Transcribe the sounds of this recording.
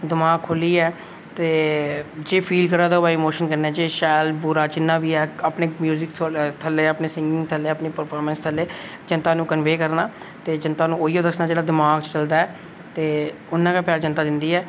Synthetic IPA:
d̪ɪmaːɡ̚kʰʊliːɛː | t̪eːd͡ʒeːpʰiːlkəɾaːd̪aːobaːimoːʃənkəɾnãːd͡ʒeːʃaːjlbuːɾaːt͡ʃɪnːãːʋiːɛːaːpneːmjuːzɪkʰt̪ʰəlːeːəpneːsɪ̃ŋɡɪ̃ŋɡt̪ʰəlːeːəpneːpəɾpʰaːɾmə̃nst̪ʰəlːeː | d͡ʒənt̪aːnũːkənʋeːkəɾnaː | t̪eːd͡ʒənt̪aːnũːoːiːoːd̪əsnaːd͡ʒeːɽaːd̪ɪmaːɡt͡ʃt͡ʃəld̪aːɛː | t̪eː | ʊnãːkaːpjaːɾd͡ʒənt̪aːd̪ɪnd̪iːɛː

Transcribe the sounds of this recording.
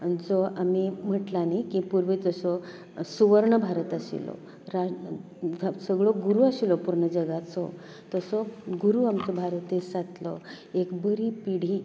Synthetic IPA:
d͡zɔʔamim̤əʈlanakipuɾʋed͡zəsɔ | suʋəɾɳəbʱaɾət̪asḭlɔ̰ | ɾa | səɡɭɔɡuɾuasilɔpuɾɳəd͡ʑəɡat͡sɔ | t̪əsɔɡuɾuamt͡sɔbʱaɾət̪esat̪lɔ̰ | ekbəɾipiɽ̤i

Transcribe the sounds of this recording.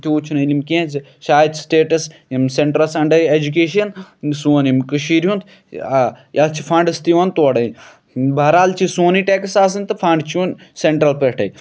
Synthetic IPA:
t̪ʰiuːt͡ʃʰunɐilimkẽːz | ʃaːjt̪ʰsʈeːʈɐsimseɳʈɾɐlsɐɳɖɐjed͡ʒukeːʃiɐnsuːnimkɨʃiːɾijũnt̪ʰː | jɐt͡ʃʰifʰɐɳɖɐst̪iʋɐnt̪oːɽɐj | bʱɐɾaːlt͡ʃʰisuːniʈeksaːs̬ɨnt̪ɨfɐɳɖt͡ʃʰunseɳʈɾɐlpeʈʰɐ̰j

